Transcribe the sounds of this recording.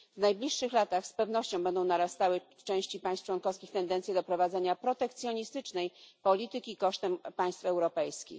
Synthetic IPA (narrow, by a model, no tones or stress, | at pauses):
vnajblʲiʂːɘxlat̪axspɛvnɔɕt͡ɕɔ̃w̃bɛnd̪ɔ̃w̃naɾast̪awɘ | t͡ʂɛ̃w̃ɕt͡ɕipaj̃st͡ʂwɔnkɔfskʲixt̪ɛnd̪ɛnsʲjɛd̪ɔpɾɔvad̪zɛɲapɾɔt̪ɛk̚t̪sʲjɔɲist̪ɘt͡ʂnɛjpɔlʲit̪ɘkʲiːkɔʂt̪ɛmpaj̃st̪fɛwɾɔpɛjskʲḭx